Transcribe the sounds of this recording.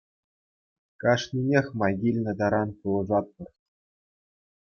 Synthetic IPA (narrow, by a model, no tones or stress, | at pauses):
kɑʂnʲinʲexʲmɑɡʲilʲnʲɘ̆d̪ɑɾɑnpulˠɤ̆zɑt̪̚pɤ̆rtʲ